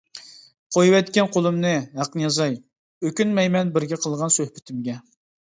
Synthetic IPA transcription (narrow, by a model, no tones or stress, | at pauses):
qʰojwɛt̪kʲɛnqʰolˠɨmnɨɦæqnɨjɑzɑj | økʲynmɛjmɛnbɪɾɡʲɛqʰəlˠʁɑnsøhpɪt̪ʰɪmɡʲɛ